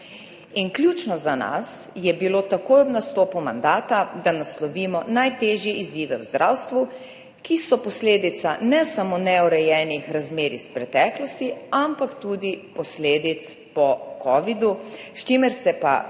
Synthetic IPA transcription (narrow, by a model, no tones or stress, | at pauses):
inklʲjuːt͡ʃnɔzana̰s | jɛbilot̪akoːjɔbnast̪oːpumand̪aːt̪ad̪anaslɔʋiːmɔnajt̪eːʒjɛʔiziːʋɛwzd̪ɾʔawst̪ʋu | kisɔpɔsleːd̪it̪sanɛsamonɛɔɾɛjɛːnixɾazmeːɾispɾɛt̪ɛːklɔst̪iampakt̪uːd̪ipɔsleːd̪it̪s | pɔkʰɔʋid̪ust͡ʃemɛɾsɛpa̰